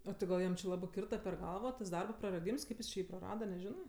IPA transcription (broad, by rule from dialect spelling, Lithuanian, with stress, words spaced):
oː ˈtɐɪ ɡɐlˠ ˈjɛm t͡ʃʲɪ ˈlˠɑːbɜ ˈkʲɪrtɐ pʲɛr ˈɡɐlˠʋɐ tɐs ˈdɐrbɐ prɐrɐˈdʲiːms ˈkɐɪp jɪs t͡ʃʲɪ ˈjiː prɐˈrɑːdɐ nʲɛˈʒʲɪnɜ